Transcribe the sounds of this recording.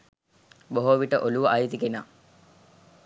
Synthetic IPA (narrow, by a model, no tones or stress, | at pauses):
boɦoʋiʈəʔoluʋəʔajit̪ikena